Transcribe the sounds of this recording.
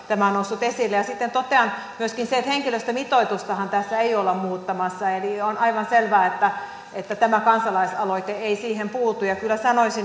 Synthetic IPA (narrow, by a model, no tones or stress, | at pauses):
t̪æmæonousːut̪esilːejɑsit̪ːent̪ot̪ˑeɑn | myøskinseet̪heŋkiløst̪æmit̪oit̪ust̪ɑhɑnt̪æsːæeiolːɑmmuːt̪ːɑmɑsːɑelionɑiʋɑnselʋæːet̪ːæ | et̪ːæt̪æmækɑnsɑlɑisɑloit̪eeisiːhempuːt̪ujɑkylːæsɑnoisin